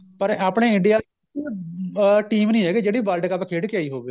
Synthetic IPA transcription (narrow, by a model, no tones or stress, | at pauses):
pəɾaːpɽeːɪɳɖɪijaː | ʈiːmnĩːɦɛːɡeːd͡ʒeːɽiːʋaːlɖkəpkʰeːɽkɪjaːiːɦoːɡeː